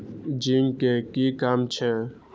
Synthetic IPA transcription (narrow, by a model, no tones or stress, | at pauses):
d͡ʒiːmkekiːkaːmt͡ʃʰɛ